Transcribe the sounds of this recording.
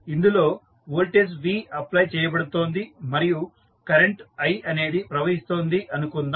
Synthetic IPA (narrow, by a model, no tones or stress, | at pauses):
ind̪ulo̞ː | ʋolʈes̬ʋiːɐplɐjt͡ʃɛːjɐbɐɽut̪o̞ːnd̪imɐɾiju | kɐɾeɳʈɐjɐne̞ːd̪ipɾɐʋɐɦist̪o̞ːnd̪iʔɐnukund̪a